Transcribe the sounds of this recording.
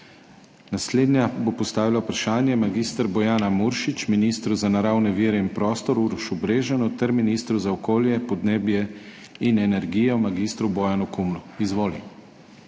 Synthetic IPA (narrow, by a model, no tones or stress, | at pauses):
nasleːd̪nʲjabopɔst̪aːʋilapɾaʃaːnjɛmaɡiːst̪əɾbɔjaːnamuɾʃit͡ʃminist̪ɾuzanaɾaːwnɛʋiːɾɛinpɾɔːst̪ɔɾuɾʃubɾeːʒanut̪ɛɾminiːst̪ɾuzaɔkoːljɛpɔd̪neːbjɛ | inɛnɛɾɡiːjɛmaɡist̪ɾubɔjanukumnuizʋoːlḭ